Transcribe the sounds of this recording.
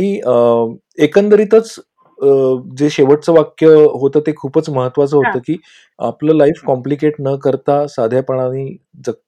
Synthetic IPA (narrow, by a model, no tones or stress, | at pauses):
iː | ekənd̪əɾiːt̪ət͡s | d͡zeɕeʋəʈ̚t͡səʋakjəɦot̪əːt̪ekʰuːpət͡sməɦət̪ːʋat͡səːɦot̪əːkiː | a̰pləːlaifkɔmplikeʈnəkəɾt̪asad̪ʱjapəɳamiː | d͡zək̚t̪